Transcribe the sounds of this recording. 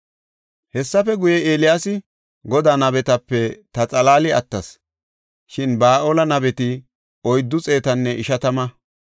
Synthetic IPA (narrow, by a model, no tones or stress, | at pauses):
hɛsːɐfɛɡʊjɛeːlɪjaːsɪ | ɡɔd̪aːnɐbɛt̪ɐpːɛt̪ɐt͡sʼɐlaːlɪɐ̰t̪ːɐs | ʃɪnbaːʔoːlɐnɐbɛt̪ɪ | ɔjd̪ːʊt͡sʼe̞ːt̪ɐnːɛʔɪʃɐt̪ɐmɐ